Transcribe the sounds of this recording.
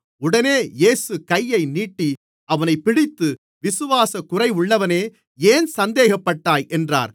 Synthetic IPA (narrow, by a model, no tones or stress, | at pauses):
ʊɽɐneːjeːsɯkɐjːɐɪniːʈːi | ʔɐʋɐnɐɪpːɪɽɪt̪ːɯ | ʋɪsɯʋaːsɐkʊrɐɪʊɭːɐʋɐneː | eːnsɐnd̪eːɣɐpːɐʈːaːjʔɛndra̰ːɾ